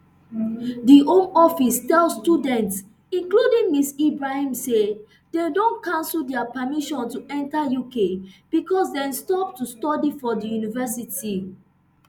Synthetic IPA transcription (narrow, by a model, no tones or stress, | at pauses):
diʔõmɔfistɛlstudɛ̃nts | ĩnkludĩŋmisibɹahãmse | dedõnkãnsl̩dɛapəmiʃɔ̃ntuʔɛ̃ntajukeb̥ikɔsdɛ̃nstɔp̚tustɔdifɔdijunivɛsiti